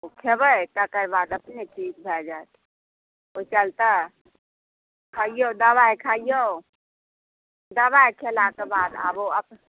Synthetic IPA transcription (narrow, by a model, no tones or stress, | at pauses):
okʰebəjt̪akəɾbaːd̪əpnet͡ʃid͡ʒbʱɛd͡ʒaet̪ | ot͡ʃəlt̪a | kʰaijod̪əbajkʰaijo | d̪əbajkʰelakebaːd̪a̰boəp